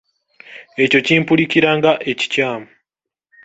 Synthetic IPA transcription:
e̞co̞ciːmpuliciɾaːŋɡaʔe̞ci̥caːmu

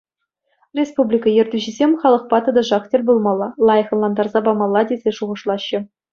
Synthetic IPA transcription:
rʲespublʲikɑjɘ̆rʲdʲyʑɘ̆zʲemʲχɑlˠɤ̆χpɑt̪ɤ̆d̪ɤ̆ʐɑχtʲelʲbulˠmɑlˠːɑlˠɑjɤ̆χɤ̆nlˠɑnd̪ɑrzɑbɑmɑlˠːɑdʲezʲeʂuʁɤ̆ʂlˠɑɕːɤ̆

